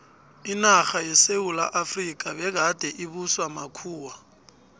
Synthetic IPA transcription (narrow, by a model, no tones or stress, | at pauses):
inaxajɛseula̰ʔafrikʼabɛɡad̥ʱɛʔiβuswamakʰuːwa